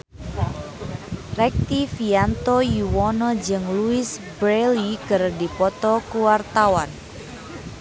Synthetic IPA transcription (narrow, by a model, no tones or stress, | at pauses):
rɛk̚t̪ifiant̪ɔjuwɔnɔd͡ʒɨŋluɪsbɾelikərdipɔt̪ɔkuwart̪awan